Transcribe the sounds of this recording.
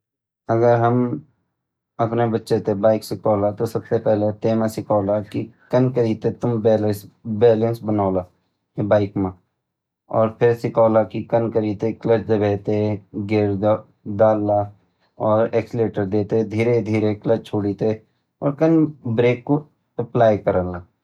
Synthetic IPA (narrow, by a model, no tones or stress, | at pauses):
əɡəɾɦəm | ɐpnebətːʃet̪ebaːɪksɪkʰɔːlat̪osɐbsepɛɦlet̪eːmãsɪkʰaːlakikənkəɾiːt̪et̪ʊmbɛːləsbɛːlə̃nsbənaːla | ebaːɪkmã | ɔːɾpʰɪɾsɪkʰaːlakikənkəɾiːt̪eklət͡ʃd̪ebeːt̪eɡeɾ | d̪aːlːa | ɔːɾeːksleːʈəɾd̪eːt̪ed̪ʱiːɾed̪ʱiːɾekləd͡ʒt͡ʃʰoːɽit̪e | ɔ̰ːɾkənbɾeːkːo | əplaːjkəɾəːlaː